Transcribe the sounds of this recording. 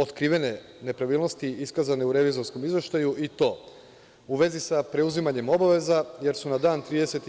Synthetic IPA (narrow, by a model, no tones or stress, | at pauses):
ot̪kɾiːʋe̞ne̞ | ne̞pɾaʋiːlˠno̞st̪iiskazane̞uɾe̞ʋizo̞ɾsko̞mizʋe̞ʃt̪ajuʔit̪o̞ː | uʋe̞zisapɾe̞uzimaɲe̞mo̞baʋe̞zaje̞ɾsunad̪aːnt̪ɾiːd̪e̞set̪